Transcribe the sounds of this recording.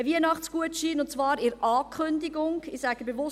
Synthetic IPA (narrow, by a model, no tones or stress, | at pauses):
əviənɑχt͡sɡ̥uətʃiːnʊntt͡sʋɑːɾɪɾɑːkʰχʏndiɡʊŋɪsæɡəbeʋʊ